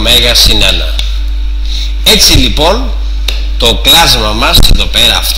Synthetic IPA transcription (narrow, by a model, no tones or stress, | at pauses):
meɣɐsinenɐ̰ | e̞t͡silipo̞n | t̪o̞klɐzmɐmɐseðo̞pe̞ɾɐːft̪